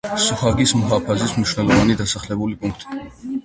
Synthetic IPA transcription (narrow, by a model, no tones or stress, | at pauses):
suhɑɡisʰməɦɑpʰɑzisʰməʃnɔlɔvɑnid̪ɑsɑχlɛvulipuŋk̚ʰt̪